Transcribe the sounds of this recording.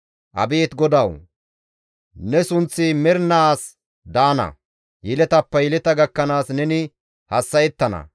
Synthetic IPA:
ʔɐ̰beːt̪ɡɔd̪ɐw | nɛsʊnt͡sːɪmɛɾnaːs | d̪aːnɐ̰ | jɪlɛt̪ɐpːɐjɪlɛt̪ɐɡɐkːɐnaːsnɛnɪ | hɐsːɐjɛt̪ːɐnɐ̰

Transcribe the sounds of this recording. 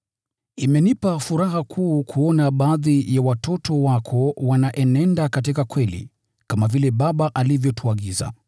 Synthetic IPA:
imɛnipafuɾaɦakʰuːkʰuɔnaɓaaːðijawatʰɔtʰɔwakʰɔwanaʔɛnɛndakatikakwɛlḭ | kamavilɛɓaɓaʔalivjɔtʰuaɠiza̰

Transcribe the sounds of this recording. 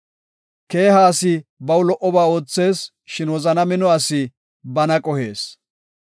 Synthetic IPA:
ke̞ːhaːsɪbɐwlɔʔɔbaːo̞ːt͡sːe̞ːs | ʃɪnwɔzɐnɐmɪnɔɐsɪ | bɐnɐkʼɔhe̞ːs

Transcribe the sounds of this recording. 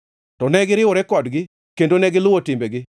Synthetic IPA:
tɔnɛɡɪɾɪʊɾɛkɔdɡɪ | kendonɛɡɪlʊotɪmbeɡɪ

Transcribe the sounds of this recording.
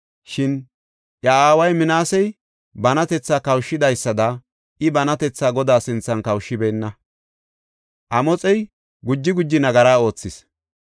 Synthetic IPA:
ʃɪn | ʔɐaːwɐjmɪnaːsɛj | bɐnɐt̪ɛt͡sːaːkɐwʃːɪd̪ɐjsːɐd̪ɐ | ʔɪbɐnɐt̪ɛt͡sːaːɡɔd̪aːsɪnt͡sːɐnkɐwʃːɪbeːnːɐ | ʔɐmɔt͡sʼɛj | ɡʊd͡ʒːɪɡʊd͡ʒːɪnɐɡɐɾaːo̞ːt͡sːɪs

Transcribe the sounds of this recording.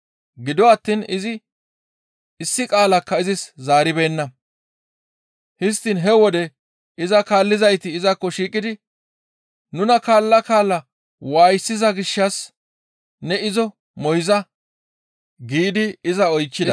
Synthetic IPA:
ɡɪd̪ɔɐt̪ːiːnɪzɪ | ɪsːɪkʼaːlɐkːɐɪzɪszaːɾɪbe̞ːnːɐ | hɪs̬t̪ːɪnɦɛwɔd̪ɛ | ɪzɐkaːlːɪzɐjt̪ɪːzɐkːɔʃiːkʼːɪd̪ɪ | nʊnɐkaːlːɐkaːlːɐ | waːjsːɪzɐɡɪʃːɐs | nɛɪzɔ | mɔjzɐ | ɡiːd̪ɪɪzɐɔjt͡ʃːɪd̪ɐ

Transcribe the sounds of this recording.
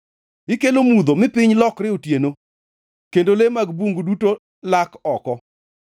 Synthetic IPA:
ɪkelomud̪omɪpɪɲlɔkɾɪotjeno | kendolemaɡbuŋɡuduto | lakɔkɔ

